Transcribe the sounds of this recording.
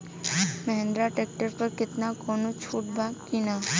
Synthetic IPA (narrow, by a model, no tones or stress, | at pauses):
məɦẽnd̪ɾaʈeːk̚ʈəɾpəɾkɪt̪nakoːnot͡ʃʰuːʈ̚bakina